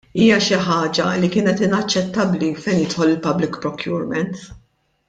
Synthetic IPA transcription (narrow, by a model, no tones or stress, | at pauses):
iːjɐʃɪħɐːd͡ʒɐlikɪːnɛt̪ɪnɐt͡ʃːɛt̪ːɐblifɛjnjɪt̪ħɔlɪlpɐblɪkpɾɔkjʊːɾmɛnt̪